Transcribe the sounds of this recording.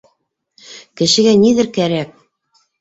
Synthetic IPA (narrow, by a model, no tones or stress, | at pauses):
kɘ̆ʃɘ̆ɡæniðɘɾkæɾæk̚